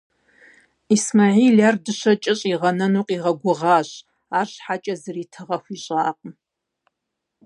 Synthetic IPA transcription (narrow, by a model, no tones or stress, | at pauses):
ismaːʕiːlardɨɕɐt͡ʃʼɪɕʼiʁɐnɐnuːqʼiːʁɐɡʷʊʁaːɕ | aːrɕħat͡ʃʼɐzɨriːtʰɨʁɐxʷiːɕʼaːqʼəm